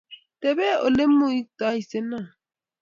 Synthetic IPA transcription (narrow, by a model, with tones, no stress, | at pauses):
tɛ˨bɛ˦o˨le˦mːo˦i˦k̚ta˨˦i˨se˦na˦˨